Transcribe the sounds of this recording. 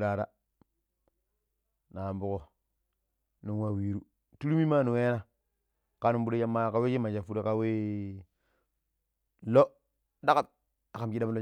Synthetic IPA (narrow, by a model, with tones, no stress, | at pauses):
ɾa˨ɾa̰˦ | na˨mbu˦ko˨ | nu˨ŋ˦wa˦˨wi˨ɾu˦ | tu˦ɾu˦mi˦ma˦˨nu˨ŋe˦na˦ | ka˦nu˦mbu˦ɾa˦ja˦mːa˦˨ka˦we˦t͡ʃi˦ma˨d͡ʒa˨fu˦ɾa˨ka˦we˦ | lo˦ | da˦ka˦˨t̚ | a˨ka˨mki˦da˦mlo˦